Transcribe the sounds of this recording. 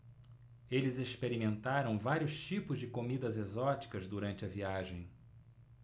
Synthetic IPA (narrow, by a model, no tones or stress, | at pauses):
elɪzespeɾimẽnt̪aɾɐ̃w̃vaɾiʊst͡ʃipʊzd͡ʒɪkomid̪ɐzezɔt͡ʃi̥kɐzd̪uɾɐ̃nt͡ʃɪɐviaʒẽj̃